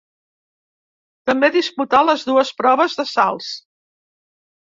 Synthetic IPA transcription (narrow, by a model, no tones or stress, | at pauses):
t̪əmbeðisput̪aləzðuəspɾɔβ̞əzðəsa̰lˠs